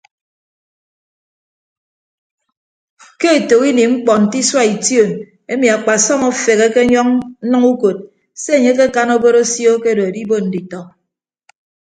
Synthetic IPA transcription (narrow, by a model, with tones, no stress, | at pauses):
ke˦e˨to˨wi˦ni˨ŋ͡m̩˦k͡pɔ˨n̩˨ti˦swa˦i˨tjo˦˨n | e˦mi˨a˨k͡pa˨sɔ˦mɔ˦fe˨ɣe˦ke˦ɲɔ˦ŋ̩˦nʌ˦ŋu˦ko˨t̚ | se˦e˨ɲe˦ke˦ka˦no˦bo˦ɾo˦sjo˦ke˦˨do˨e˨di˦bo˦n̩˨di˨tɔ˨